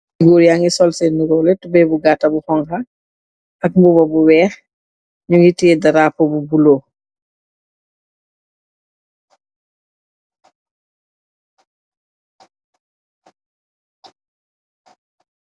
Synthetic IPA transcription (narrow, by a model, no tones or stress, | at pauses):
ɡoːɾjaŋɡisɔlseniɡɔːlɛtubɛbuɡatːɐbuxɔŋxɐ | ɐk̚mbubɔbuwɛːx | ɲuŋitiɛdɐɾaːpobubuloː